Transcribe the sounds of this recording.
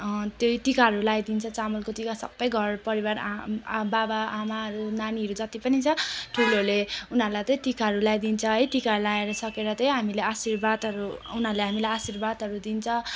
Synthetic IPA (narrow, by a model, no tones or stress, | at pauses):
t̪joiʈikaɦʌɾulajd̪int͡sʰʌt͡samʌlkot̪ikasʌ̰bːʌjɡʱʌrpʌɾibara̰babaamaɦʌɾunaniɦʌɾud͡zʌt̪ipʌnit͡sʰʌʈʰuloleunɦʌɾulajt̪ʌ̃ʈikaɦʌɾulajd̪int͡sʰʌɦʌjʈikalaeɾʌsʌkeɾʌt̪ʌjɦamileasirbad̪ʱɦʌɾuunɦʌɾleɦamilajasirbad̪ʱɦʌɾud̪int͡sʰʌ